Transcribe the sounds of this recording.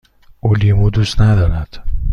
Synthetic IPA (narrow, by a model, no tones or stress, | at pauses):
ʔolimuːd̪uːst̪næd̪ɒːɾæd̪̥